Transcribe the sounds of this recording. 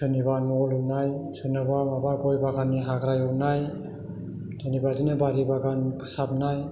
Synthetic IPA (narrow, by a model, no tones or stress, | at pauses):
sɯnibanɔlɔnajsɯnabamabaɡɔjbaɡaniɦaɡɾajɔpnaj | dɯnibadinabaɾibaɡanpʰɯ̥sap̚naj